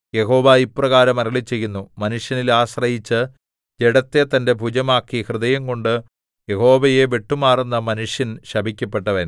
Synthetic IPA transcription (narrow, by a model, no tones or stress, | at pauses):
je̞ɦo̞ːʋaiprɐɣaːɾɐmɐɾɐɭit͡ɕːe̞jːunːumɐnuʂjɐnilaːɕrɐjit͡ɕːɨ | d͡ʑe̞ɽɐt̪ːe̞t̪ɐnde̞bʱud͡ʑɐmaːkːihrɨðɐjɐŋko̞ɳɖɨ | je̞ho̞ːʋɐje̞ʋeʈːumaːrunːɐmɐnuʂjɐnɕɐbʱikʲːɐpːe̞ʈːɐʋɐn